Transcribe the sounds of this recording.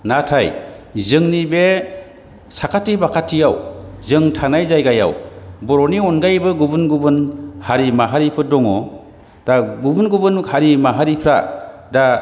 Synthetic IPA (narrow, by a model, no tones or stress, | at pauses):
natʰaj | zɯŋnibe | sakʰatːibakʰatʰːijawzɯŋtʰanajzajɡaja̰wbɔɾɔniɔnɡajbɯɡubɯnɡubɯnhaɾimaɦaɾipʰɯdɔŋɔ | d̥aɡubunɡubɯnhaɾimaɦaɾipʰɾa̰da